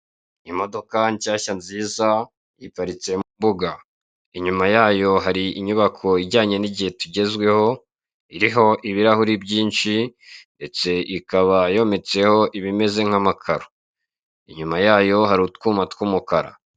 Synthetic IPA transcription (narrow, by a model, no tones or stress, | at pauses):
imo̞do̞kaɲcaːçanziːza | jipaɾit͡se̞mumbuɡa | iɲumajaːjo̞ɦaɾiiɲuβakʰo̞iɟaːɲe̞niɟihe̞tuɟe̞zɡwe̞ho̞ | iɾiɦo̞ʔiβiɾahuɾibɟiːnt͡ʃinde̞t͡se̞ʔikaβajo̞ːme̞t͡se̞ho̞ʔiβime̞ze̞ŋ̥amakʰaɾo | iɲumajaːjo̞ɦaɾutkuːmatkwumukaɾa̰